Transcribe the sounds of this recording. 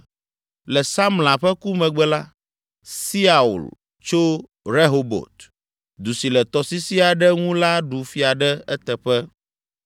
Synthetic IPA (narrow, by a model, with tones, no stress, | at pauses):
lɛ˨sa˦mlã˨ɸɛ˦ku˦mɛ̃˨ɡ͡bɛ˦la˦ | si˦a˨ṵ˨l | t͡ʃo˦ | ɾe˦ɦo˨bo̰˨t̪ | d̪u˨si˨lɛ˨t̪ɔ˨si˦si˦a˨ɖɛ˦ŋũ˦la˦ɖu˨fi˦a˨ɖɛ˦ɛ˦t̪ɛ˨ɸɛ˦